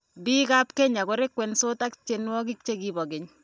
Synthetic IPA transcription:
biː˦kapke˦ɲa˨ko˦ɾe˦kwɛ˨nso˦ta˦kt͡ʃe˦nwɔ˦kɪ˦k̚t͡ʃe˦kibɔ˨ɡɪ˨ɲ

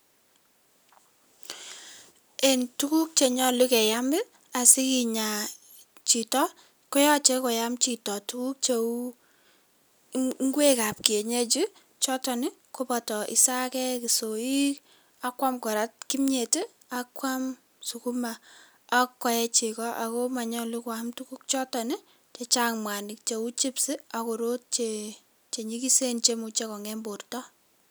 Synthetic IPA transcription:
e˨ntu˦ku˦k̚t͡ʃe˨ɲɔ˦lu˦kɛ˨ja˦mɪ˦ | a˨sɪ˦ki˨ɲa˨ | t͡ʃi˨tɔ˦ | kɔ˦jɔ˦t͡ʃɛ˦ko˨ja˦mt͡ʃi˨tɔ˨tu˦ku˦k̚t͡ʃe˨u˦ | ŋ˦ɡwe˦ka˨p̚ki˨e˨ɲe˦t͡ʃi˦ | t͡ʃɔ˦tɔ˨nɪ˦ko˦pɔ˨tɔ˨ʔḭ˨sa˦kɛ˦ki˨so˨i˦k | a˦kwa˦mkɔ˨ɾa˦t̚ki˦mɲe˨te˦ | akwa˦m | su˨ku˦ma˨ | a˦kːɔ˨jɛ˦t͡ʃe˨kɔ˦ʔa̰˨ko˦ma˨ɲɔ˦li˦kwa˨mtu˦ku˦k̚t͡ʃɔ˦tɔ˨nɪ˦ | t͡ʃe˨t͡ʃa˦ŋmwa˨ni˨k̚t͡ʃe˨u˦t͡ʃi˦psi˦a˨ko˨ɾo˦t̚t͡ʃe | t͡ʃe˨ɲi˦ki˦se˦nt͡ʃe˦mu˨t͡ʃe˦kɔ˨ŋɛ˦mbo˨rtɔ˦

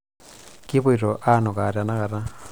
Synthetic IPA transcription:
ki˦βo˦i˨ɾo˨ʔa˦no˨ka˨ɾa˨na˦ɣa˨ɾa˦

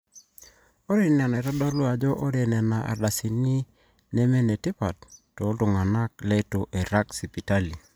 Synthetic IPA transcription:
o˦ɾe˦˨na˨ne˨ɾa˦dɔ˦lo˦a˨d͡ʒɔ˦ʔo˦ɾe˨nɛ˨na˨ʔa̰˨da˨si˨ni˦ | ne˦me˦ne˨ti˦pa˨ttːo˨˦tu˨ŋa˨na˦k̚lɛ˦to˨ʔe˨ɾa˦ksi˨pi˨ta˦li˨

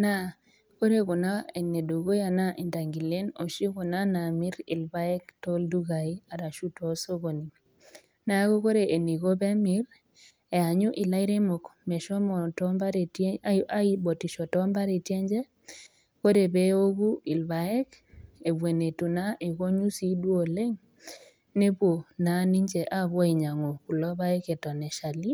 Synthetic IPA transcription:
na˦ | ko˦ɾe˦kɔ˨na˦e˨ne˨do˨ɡo˦ja˨na˦ʔi˨nda˨ŋɡi˨le˦no˨ʃi˦kɔ˨na˦na˨mɪ˦ɾɪ̰˨lba˦ɛ˦ktɔ˦ldu˦ɡa˨i˦a˨ɾa˨ʃu˦tɔ˨˦so˦ɡo˨ni˨ | na˨˦ko˦ko˦ɾe˨ʔe˨ni˨ɡo˦bɛ˦mɪ˦ɾ | ɛ˨a˨ɲʊ˦ʔi˨la˦ɪ˦ɾe˦mɔ˨kmɛ˨ʃɔ˦mɔ˨tɔ˦mba˦ɾe˨ta˦i˦bo˨ti˨ʃɔ˨tɔ˦mba˦ɾe˨tje˦ɲd͡ʒɛ˦ | ko˦ɾe˨be˦o˦ɡu˦i˨lba˨ɛ˦k | e˨bwe˨ne˨tu˨na˦ʔe˨ko˦ɲu˦si˦dwo˦˨le˦ŋ | ne˦bwo˨na˨˦ni˦ɲt͡ʃe˨ʔa˦˨bwɔ˦i˨ɲa˨ŋo˨ku˨lɔ˦ba˦ɛ˦kɛ˨tɔ˨nɛ˨ʃa˨li˦

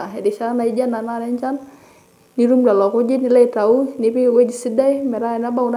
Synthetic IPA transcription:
ae˨di˨t͡ʃana˨id͡ʒa˦na˨nana˦ɲt͡ʃan | niɾu˦mda˨lɔ˨ko˦d͡ʒi˦nila˦taunipi˦˨we˦d͡ʒi˨si˦da˦jmɛ˨ɾaɛnaba˦un

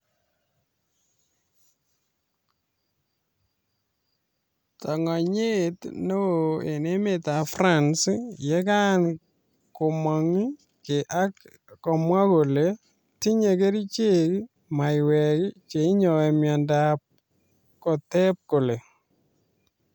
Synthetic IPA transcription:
ta˨ŋa˨ɲe˦tno˦e˨ne˦me˨ta˨fra˦nsje˦ka˦n | ko˨mɔ˨ŋi˦ | ke˨ʔa˦k | kɔ˨mwa˦ko˨le˨ | ti˦ɲe˨ke˦ɾi˦t͡ʃe˦k | ma˨jwɛ˨kt͡ʃe˨i˦ɲɔ˨ɛ˨mja˨ndap̚ | kɔ˨tɛ˦p̚ko˨le˨

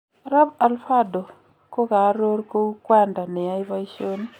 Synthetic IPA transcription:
ɾa˦ba˨lfa˦do˨ | ko˦ka˨˦ɾo˦ɾko˦u˦kwa˦nda˨nɛ˨a˦i˦βa˦i˦ʃo˦ni˦

